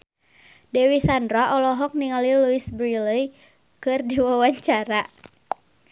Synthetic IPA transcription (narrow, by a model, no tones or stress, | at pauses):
dɛwisandɾaʔɔlɔɦɔk̚niŋaliluisbɾiləj | kɨrdiwawaɲt͡ʃaɾa